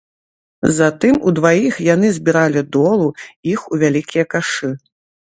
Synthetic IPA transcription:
zat̪ɨmud̪vajixjanɨzʲbʲiɾalʲid̪ɔlˠuixuvʲalʲikʲijɐkaʂɨ

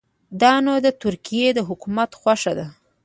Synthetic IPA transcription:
d̪ɑnod̪ət̪ʊɾkijed̪əɦʊkumat̪xwaʂad̪a

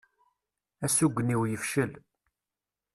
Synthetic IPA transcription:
æsuɡʷːniwjəfʃəl

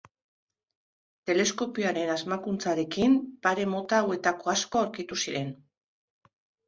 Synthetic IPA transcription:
t̪e̞le̞sko̞piaɾe̞nazmakunt͡saɾe̞kimpaɾe̞mo̞t̪aːwe̞t̪ako̞asko̞awɾkit̪usiɾe̞n

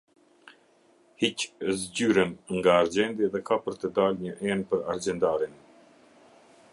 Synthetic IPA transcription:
hiczɟyɾənŋɡaːɾd͡ʒɛnd̪iðɛkapəɾt̪əd̪alɲəʔɛnpəɾaɾd͡ʒɛnd̪aɾin

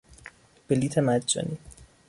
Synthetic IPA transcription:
b̥eliːt̪ʰemæd͡ʒɒ̰ni

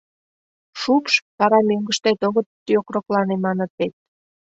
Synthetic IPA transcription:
ʃupʃt̪ɑɾɑmøŋɡəʃt̪et̪oɣət̪ːjokroklɑnemɑnə̆t̪̚et̪̚

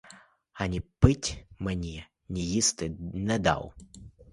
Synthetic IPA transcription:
anʲipɨtʲmɨnʲi | nʲijist̪ɨnʲɛd̪a̰w

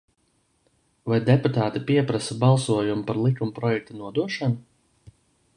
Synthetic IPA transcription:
vajd̪eput̪aːt̪ipiɛpɾasabɑlˠsuɔjumpaɾlˠikumpɾɔjɛk̚t̪anuɔd̪uɔʃanu

